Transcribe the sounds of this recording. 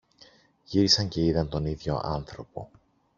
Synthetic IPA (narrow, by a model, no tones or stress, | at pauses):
ʝiɾisɐɲceiðɐnt̪o̞niðʝo̞̰ʔɐnθɾo̞po̞̰